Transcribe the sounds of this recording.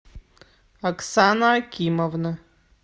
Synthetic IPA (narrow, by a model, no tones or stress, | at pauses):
aksanaːkʲʰimovnɨ